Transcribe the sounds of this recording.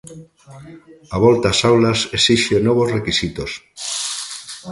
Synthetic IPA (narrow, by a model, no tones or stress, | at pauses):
aβ̞ɔlt̪asawlasesiʃenɔβ̞ozrekisit̪os